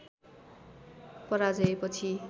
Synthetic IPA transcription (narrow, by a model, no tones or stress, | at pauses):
pʌɾad͡zʌepʌt͡sʰi